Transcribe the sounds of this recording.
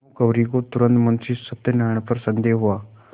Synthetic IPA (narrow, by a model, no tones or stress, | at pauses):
ukɐʋɾiɡot̪uɾənt̪mɐnsisət̪ːənaɳ̃pəɾsənd̪eːɦuʋa